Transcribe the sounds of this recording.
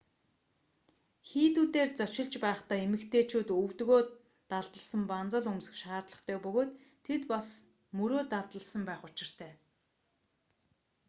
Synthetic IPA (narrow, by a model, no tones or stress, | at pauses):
xiːt̪uːt̪eːrt͡sœt͡ɕɪ̆ɮt͡ɕpæːχt̪aːemɘ̆kt̪ʰeːt͡ɕʰuːt̪ɵwt̪ɣoː | t̪aɮt̪ə̆ɮsə̆mpant͡sə̆ɮɵmsɘ̥̆kʃaːrt̪ɮə̆χt̪ʰœːpɵɣoːt̪ʰː | et̪pas | mɵɾoːɮt̪aɮt̪ə̆ɮsə̆mpæːχʊt͡ɕɪ̆r̥t̪ʰæː